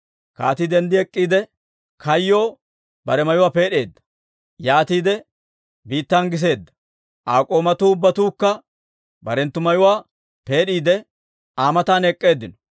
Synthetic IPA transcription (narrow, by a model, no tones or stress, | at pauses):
ka̰ːt̪id̪ɛnd̪ɪɛkʼːiːd̪ɛ | kʰɐjːoː | bɐɾɛmɐjʊwaːpe̞ːɗe̞ːd̪ːɐ̥ | jaːt̪iːd̪ɛ | biːt̪ːanɡɪs̬e̞ːd̪ːɐ̥ | ʔaːkʼo̞ːmɐt̪uːʊbːɐt̪uːkːɐ | bɐɾɛnt̪ːʊmɐjʊwaː | pe̞ːɗiːd̪ɛ | aːmɐt̪aːnɛkʼːe̞ːd̪ːɪnɔ̥